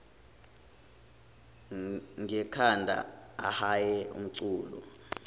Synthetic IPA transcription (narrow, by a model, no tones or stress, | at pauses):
ŋɛkʰandʱa̰ahajɛṵm̩ǀuːlṵ